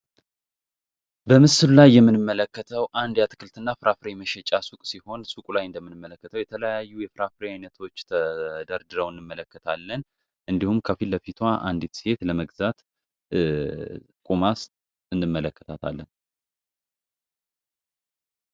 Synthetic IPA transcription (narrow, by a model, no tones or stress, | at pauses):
bəmɨsɨlulajːɛmːɨnɨmːələkːət̪ʰəwʔand̪jat̪ʰɨkʰɨlt̪ʰɨnːafɨɾafɨɾeməʃɛt͡ʃʼasukʼsiho̞nsukʼulajɨnd̪əmːɨnɨmːələkːət̪ʰəwjɛt̪ʰələjajːujɛfɨɾafɾeajnət̪ʰo̞t͡ʃːt̪ʰəd̪əɾd̪ɨɾəwɨnːɨmːələkːət̪ʰalːən | ʔɨnd̪ihumkʰəfilːəfit̪ʰwaʔa̰nd̪it̪se̞t̪ləməɡzat̪ | kʼumas | ɨnːɨmːələkːət̪ʰat̪ʰa̰lːən